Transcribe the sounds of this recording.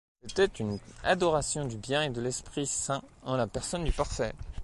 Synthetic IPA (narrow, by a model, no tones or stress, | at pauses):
sɛt̪ɛt̪yna̰d̪ɔʁasjɔ̃d̪ybjɛ̃ed̪əlɛspχisɛ̃ɑ̃lapɛʁsɔnd̪ypaʁfɛ